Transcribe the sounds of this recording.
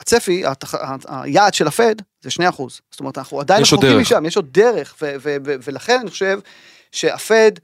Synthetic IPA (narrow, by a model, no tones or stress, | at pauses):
at͡sefia̰t̪aaa̰jaːdʃelafe̞d̪zeʃnejaχuzz̥stot̪anaχnuad̪ajnooimiʃamjeʃo̞d̪̚deʁe̞χvevevevelaχe̞naniχoʃe̞v | ʃeafe̞d̪